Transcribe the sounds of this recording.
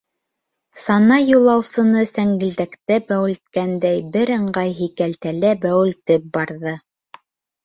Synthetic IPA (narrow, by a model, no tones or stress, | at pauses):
sɑnɑjulˠɑwsɤ̆nɤsæŋɡɘ̆ld̪ækt̪æbæwɘ̆lt̪̚kænd̪æjbɘɾɤ̆ɴɢɑjɦikælt̪ælæbæwɘ̆lt̪ɘp̚bɑɾðɤ